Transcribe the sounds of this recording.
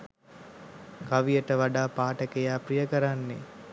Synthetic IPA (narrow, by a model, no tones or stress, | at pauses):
kaʋijəʈəʋaɖaːpaːʈəkejaːprijəkəɾanːḛ